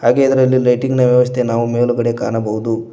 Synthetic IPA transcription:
haːɡe̞ɐd̪ɐɾɐlːilɐjʈiŋɡnɐʋjɐʋɐst̪ʰe̞naːʋumeːluɡɐɽe̞ka̰ːnɐbɐɦud̪u

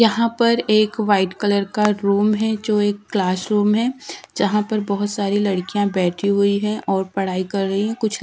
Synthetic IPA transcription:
jɐɦãpɐɾeːkʋaːɪʈkɐləɾkaɾuːmɦɛd͡ʒoːeːkːlaːsɾuːmɦɛd͡ʒɐɦãpɐɾbɔɦʊt̪saːɾilɐɽkijãbɛːʈʰiɦʊiɦɛ̃ʔɔːɾpɐɽ̤aːikɐɾːɐɦiɦɛ̃kʊt͡ʃʰ

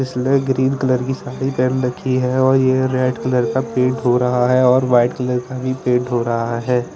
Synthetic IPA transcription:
ɪsleɡɾiːnkɐləɾkisaːɽipɛːnɾɐkʰːiɦɛɔːɾjeɾeːɖkɐləɾkapẽːɳʈɦoɾɐɦaɦɛɔːɾʋaːɪʈkɐləɾkabʱipẽːʈɦoɾɐɦaɦɛː

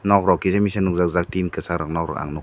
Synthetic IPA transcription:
nɔkɾɔkizamisanuk̚zak̚zak̚tinkɯsaɾak̚nɔkɾɔ̰ka̰ŋnuk

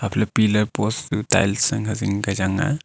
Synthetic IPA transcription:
ɐpʰlapilɐɾpostuta̰jlsɐŋɦɐziŋɡɐd͡ʒaŋa̰

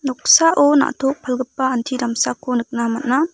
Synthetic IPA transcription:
nɔk̚saʔona̰ʔtʰɔk̚pʰalɡɯpːaantʰiɾamsakʰonɯk̚namat̚na

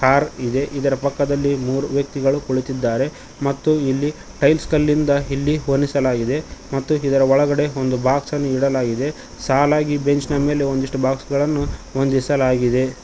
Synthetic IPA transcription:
kaːɾid̪e̞ʔid̪ɐɾɐpɐkːɐd̪ɐlːimuːɾuʋjɐk̚t̪iɡɐɭukoɭit̪id̪ːaːɾe̞ | mɐt̪ːuilːi | ʈɐjlskɐlːind̪ɐilːiɦonːisɐlaːɡid̪e̞mɐt̪ːuid̪ɐɾɐɔɭɐɡɐɽe̞o̞nd̪ubaːksɐnːuiɽɐlaːɡid̪e̞ | saːlaːɡibe̞ɲt͡ʃnɐme̞ːle̞ond̪iʂʈubaːksɡɐɭɐnːuʋond̪isɐlaːɡid̪e̞

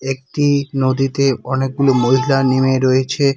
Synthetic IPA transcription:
ek̚ʈinod̪it̪eɔnek̚ɡulomoɦilanimeɾoet͡ɕʰe

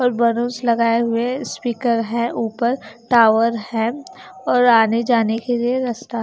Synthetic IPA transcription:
ɔːɾbɐɾõːslɐɡaːeɦʊespiːkəɾɦɛ̃ʔuːpəɾʈaːʋəɾhɛ̃ɔːɾaːned͡ʒaːnekelieɾɐst̪aɦ

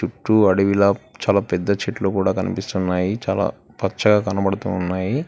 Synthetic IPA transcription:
t͡ʃuʈːuɐɽiʋilaːt͡ʃaːlaːpɛd̪ːɐt͡ʃeʈloːkuːɽaːkɐnḭpist̪unːaːjit͡ʃa̰ːla̰ː | pɐt͡ʃːɐɡaːkɐnɐbɐɽut̪ṵːnːaːji

